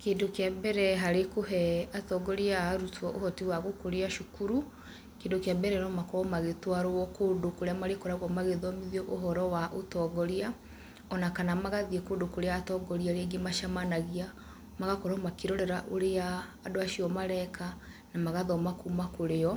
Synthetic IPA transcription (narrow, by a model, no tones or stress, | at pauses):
keːndokeabɛɾɛɦaɾekoɦɛatɔɡɔɾiaɾutwɔʔohɔtiwaɣokoɾeaʃokuɾu | keːndokjabɛɾɛnɔmakɔɔmaɣetwaɾowɔkoːndokoɾeamaɾekɔɾaɣɔmaɣeðɔmiðiɔʔoɦɔɾɔwaʔotɔɡɔɾia | ɔnakanamaɣaðiekoːndokoɾeatɔɡɔɾiaɾeɡemaʃamanaɣia | maɣakɔɾɔmakeɾɔɾɛɾaʔoɾeaːdoaʃiɔmaɾɛkʰa | namaɣaðɔmakumakoɾeɔ